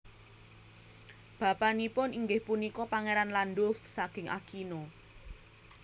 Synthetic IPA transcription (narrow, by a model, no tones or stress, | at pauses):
b̥ä̤panipʊniŋɡɪhpunikɔpaŋeɾanlandʊfsaɡ̥ɪ̤ŋʔa̰kino